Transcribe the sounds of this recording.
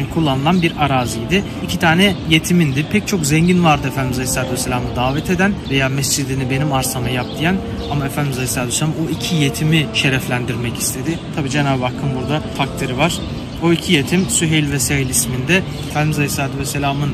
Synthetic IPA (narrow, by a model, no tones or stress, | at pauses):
kʰulˠːanɯlˠanbiɾaɾaːzijd̪ɪ | icʰit̪ʰaːnɛje̞t̪ʰimind̪ɪpʰɛc̚t͡ʃʰo̞kzɛɲɟinvaɾd̪ɯfænd̪imizalisaːt̪ʰuvɛsːelʲaːmɯnd̪aːvɛt̪ʰe̞d̪ænve̞jaːmɛsd͡ʒid̪inibe̞nimaɾsamajap̚d̪ijæn | amaefænd̪imizalislaːt̪uvɛselamoicʰije̞t̪ʰimiʃe̞ɾɛflʲænd̪iɾmɛci̥st̪ʰe̞d̪ɪt̪ʰabiːd͡ʒe̞naːbbakʰːɯnbuɾd̪afak̚t̪ʰɯɾivaɾ̥ | o̞icʰije̞t̪ʰimsyɦelʲvɛseɦilʲismind̪ɛ | efænd̪imizalisaːt̪uvɛsːelʲaːmɯn